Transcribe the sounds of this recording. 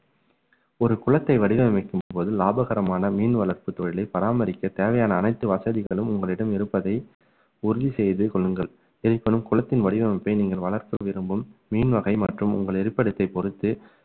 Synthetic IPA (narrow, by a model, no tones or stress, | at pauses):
ɔɾɯkʊɭɐt̪ːɐɪʋɐɽɪʋɐnɪmɐɪkːɯmpoːðɯlaːbɐɣɐɾɐmaːnɐmiːnʋɐɭɐɾpɯt̪ːɔɻɪlɐɪpɐɾaːmɐɾɪkːɐt̪eːʋɐjaːnɐːnɐɪt̪ːɯʋɐsɐðɪɣɐɭɯmʊŋɡɐɭɪɽɐmɪɾɯpːɐðɐɪ | ʊɾʊðisɛjðɯkɔɭːɯŋɡɐɭ | ɪɾɯpːɐnɯmkʊɭɐt̪ːɪnʋɐɽɪʋɐmɐpːɐɪniːŋɡɐɭʋɐɭɐɾkɐʋɪɾɯmbɯmːiːnʋɐɣɐɪmɐʈrɯmʊ̰ŋɡɐɭɛɾɯpːɐɽɯt̪ːɐɪpɔɾɯt̪ːɯ